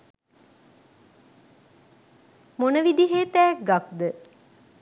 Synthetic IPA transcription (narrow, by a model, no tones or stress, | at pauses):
monəʋid̪iɦeːt̪æːk̚ɡak̚d̪ə